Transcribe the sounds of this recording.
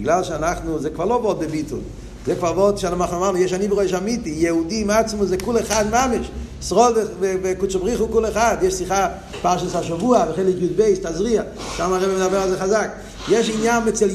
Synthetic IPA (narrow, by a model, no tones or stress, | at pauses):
bɪɡlalˠʃanaχnuzɛkvaʁlˠobɔt̚bɪbitṵl | zɛkvaʁvɔtʃanɪmaχnomamjeʃaniːbəʁoʃ̬amitijɛudimat͡smuzɛkulɛχadmamɪʃ | sʁɔdevɪvɪkut͡sobʁiχukulˠɛχadjɛʃsiχa | paʁʃashaʃavuavɪχeɪlɪkjudbeɪstazʁia | ʃamaʁɛbɪmɪdabɛʁazɛχazak | jeʃinjanmɛt͡sɛl